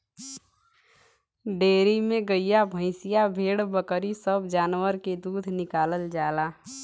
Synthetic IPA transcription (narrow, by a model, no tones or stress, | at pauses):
ɖeːɾimẽɡəijabʱə̃ɪ̃sijabʱeːɽbəkɾisəbʱd͡ʒaːnwəɾked̪uːd̪ʱnɪkaːləld͡ʒaːla